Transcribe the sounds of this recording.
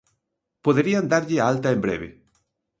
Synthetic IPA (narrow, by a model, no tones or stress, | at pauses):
poðeɾiand̪aɾʎɪaalt̪ɐembɾḛβɪ̰